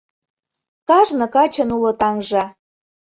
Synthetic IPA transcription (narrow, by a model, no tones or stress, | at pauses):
kɑʒnɤ̆kɑt͡ɕɤ̆nulɤ̆t̪ɑŋʒɑ